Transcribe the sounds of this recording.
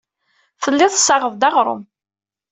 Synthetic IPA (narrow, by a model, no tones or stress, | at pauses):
θəlːɪðˤsːɑʁəvd̪ɑʁɾˤə̰m